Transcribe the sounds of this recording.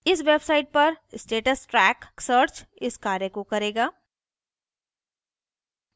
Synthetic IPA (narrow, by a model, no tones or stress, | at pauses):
ɪsʋeːbsaːɪʈ̚pɐɾsʈeːʈəsʈɾɛːksəɾt͡ʃɪskaːɾjekokɐɾeːɡaː